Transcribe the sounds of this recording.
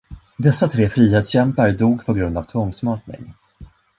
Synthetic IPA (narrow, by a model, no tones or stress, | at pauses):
d̪ɛsːat̪ʰɾeːfɾiːɦeːt̪sɕɛmpaɾd̪uːɡpʰɔɡɾɵnd̪avt̪ʰvɔŋsmɑːʈnɪ̰ŋ